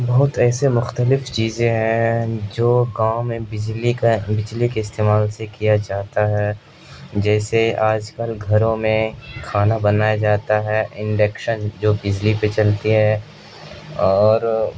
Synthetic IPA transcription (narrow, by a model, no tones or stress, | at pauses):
bɐɦʊt̪ɛːsemʊxt̪əlɪft͡ʃiːzẽɦɛ̃d͡ʒoːɡaːõmẽbɪd͡ʒlibɪd͡ʒlikeɪst̪eːmaːlsekijad͡ʒaːt̪aɦɛː | d͡ʒɛːseaːd͡ʒkɐlɡʱɐɾõmẽkʰaːnabɐnaːjad͡ʒaːt̪aɦɛʔɪ̃ɳɖeːkʃənd͡ʒoːbɪd͡ʒlipet͡ʃɐlt̪iɦɛː | ɔːɾ